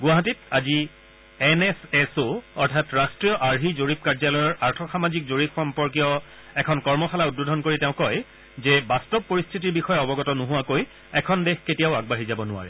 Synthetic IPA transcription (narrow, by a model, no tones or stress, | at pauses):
ɡʊaɦatitazi | ɛnɛsɛsoɔɹtʰatɹastɹijɔʔaɹɦizoɹip̚kaɹzalɔjɔɹaɹtʰɔxamazik̚zoɹipxɔmpɔɹk̬ijɔ | ɛkʰɔnkɔɹmɔxalaut̚bodʱɔnkoɹitɛʊ̃kɔj | zɛbastɔbpːoɹistʰitiɹbixɔjaɔbɔɡɔtɔnʊɦʊakoj | ɛkʰɔndexketijaʊaɡ̚baɦizabɔnʊa̰ɹɛ̰